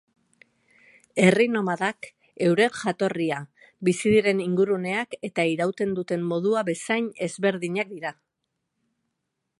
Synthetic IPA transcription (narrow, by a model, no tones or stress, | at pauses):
e̞rino̞maðak | e̞wɾe̞ʝat̪o̞ria | bisiðiɾe̞niŋɡuɾune̞ake̞t̪aiɾawt̪e̞nd̪ut̪e̞mːo̞ð̞uaβe̞sajɲe̞zβe̞ɾðiɲak̚d̪iɾa